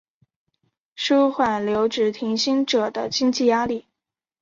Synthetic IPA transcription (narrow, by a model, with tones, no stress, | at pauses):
ʂu˥ʊxwa˨˩nljo˧˥ʊʈ͡ʂɻ̩˨˩t̪ʰi˧˥ŋɕi˥nʈ͡ʂɤ˨˩d̪ə˦t͡ɕi˥ŋt͡ɕi˥˩ja˥li˥˩